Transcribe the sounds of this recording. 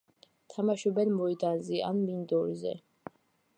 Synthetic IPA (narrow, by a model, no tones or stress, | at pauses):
t̪ʰamaʃɔbɛlmɔid̪anzia̰nmind̪ɔɾzɛ̰